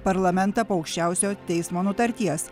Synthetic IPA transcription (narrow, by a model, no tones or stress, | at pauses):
pɐɾlˠɐmʲɛnt̪ɐpoːɐʊkʃʲt͡ʃʲæˑʊsʲoːt̪ʲɛɪsmoːnʊt̪ɐɾʲt̪ʲiɛs